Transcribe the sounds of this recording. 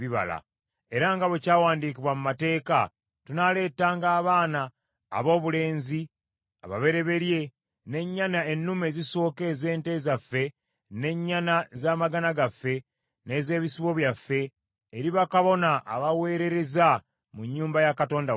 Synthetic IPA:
iβa̰la̰ | e̞ɾaŋɡaβecaːwaːndikiβwamumate̞ːka | tunale̞ːtaːŋɡaːβaːna̰ː | βo̞ːβule̞ːnzi | a̰βa̰βe̞ɾe̞βe̞ɾje̞ | ne̞ɲːanae̞nːumeziso̞ːke̞ːze̞ːnte̞zafːe̞ | ne̞ɲːanazaːmaɡanaɡafːe̞ | ne̞ːze̞ːβisiβo̞βjafːe̞ː | ɾiβakaβo̞naʔːβaweːɾe̞ɾe̞za | muɲːuːmbajakato̞ːnda

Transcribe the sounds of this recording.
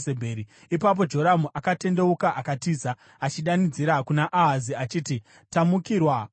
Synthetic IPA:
sebʱeɾi | ipap̬o̞d͡ʒo̞ɾamuʔakate̞nde̞ukaʔakatiːza | at͡ʃiɗanid͡ziɾakunaʔaɦaziat͡ʃiːti | tamukiːrwa

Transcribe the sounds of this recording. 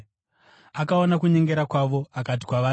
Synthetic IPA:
akaonakuɲe̞ŋɡe̞ɾakwaʋo̞akat̬i̥kwaʋaː

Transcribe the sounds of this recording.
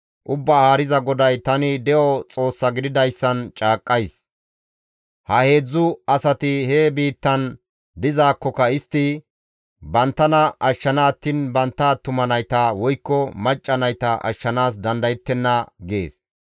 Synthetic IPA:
ʔʊbːaːhaːɾɪzɐɡɔd̪ɐjt̪ɐnɪd̪ɛʔɔt͡sʼo̞ːsːɐɡɪd̪ɪd̪ɐjsːɐnt͡ʃʼaːkʼːɐjs | hɐhe̞ːd͡zːʊɐsɐt̪ɪheːbiːt̪ːɐn | d̪ɪzaːkːɔkɐɪst̪ːɪ | bɐnt̪ːɐnɐʔɐʃːɐnaːt̪ːɪnbɐnt̪ːaːt̪ʊmɐnɐjt̪ɐwɔjkːɔmɐt͡ʃʼːɐnɐjt̪ɐʔɐ̰ʃːɐnaːs̬d̪ɐnd̪ɐjɪt̪ːɛnːɐɡe̞̰ːs

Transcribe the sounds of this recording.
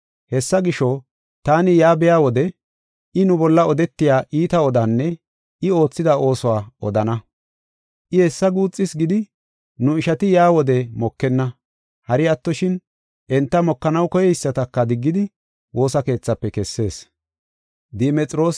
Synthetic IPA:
hɛsːɐɡɪʃɔ | t̪aːnɪjaːbɛjaːwɔd̪ɛ | ʔɪnʊbɔlːɐɔd̪ɛt̪ːɪjaːʔiːt̪ɐɔd̪aːnːɛ | ɪo̞ːt͡sːɪd̪ɐo̞ːsɔwaːɔ̰d̪ɐnɐ | ʔɪhɛsːɐɡuːt͡sʼːɪsɡɪd̪ɪ | nʊɪʃɐt̪ɪjaːwɔd̪ɛmɔkːɛnːɐ | hɐɾɪɐt̪ːɔʃɪn | ʔɛnt̪ːɐmɔkːɐnɐwkɔjɛɪsːɐt̪ɐkːɐd̪ɪɡːɪd̪ɪ | wʔo̞ːsɐke̞ːt͡sːɐpːɛkɛsːe̞ːs | d̪ɛmɛt͡sʼɾo̞ːs

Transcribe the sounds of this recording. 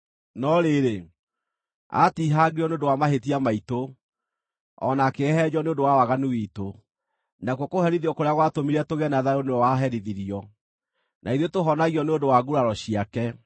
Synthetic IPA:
nɔɾeɾe | a̰tiɦaɣiɾɔneondowamaɦetiamaito | ɔ̰nakeɦɛd͡ʑɔneondowawaɣanuwito | nakwɔkohɛɾiðiɔkoɾeaɣwatomiɾɛtoɣɛnaðaɾoneɔwaɦɛɾiðiɾiɔ | naiðotoɦɔnaɣiɔneondowaɡuɾaɾɔɕiakɛ

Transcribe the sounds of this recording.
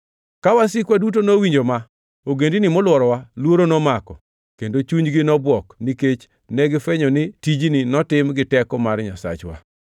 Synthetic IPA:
kawasɪkwadut̬onowiɲd͡ʒoma | oɡendinɪmɔlwɔɾɔwalwoɾonɔmakɔ | kendot͡ʃuɲɡɪnɔbwɔkniket͡ʃ | nɛɡɪfɛɲɔnɪtid͡ʒninɔtɪmɡɪtɛkɔmarɲasa̰t͡ʃwa̰

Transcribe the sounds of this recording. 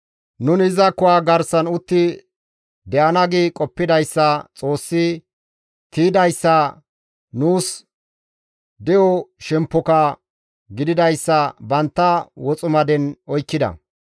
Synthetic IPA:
nʊnɪzɐkːʊwaːɡɐɾsɐnʊt̪ːɪ | d̪ɛʔɐnɐɡɪkʼɔpːɪd̪ɐjsːɐt͡sʼo̞ːsːɪ | t̪iːd̪ɐjsːɐ | nuːs | d̪ɛjɔʃɛmpːɔkɐ | ɡɪd̪ɪd̪ɐjsːɐbɐnt̪ːɐwɔt͡sʼʊmɐd̪ɛnɔjkːɪd̪ɐ̰

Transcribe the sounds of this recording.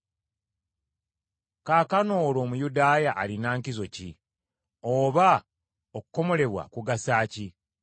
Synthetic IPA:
kaːkano̞ːlo̞ːmujudaːjaʔːlinaːŋkizo̞ci | oːβa | okuko̞mo̞le̞βwa̰kuɡasaːci

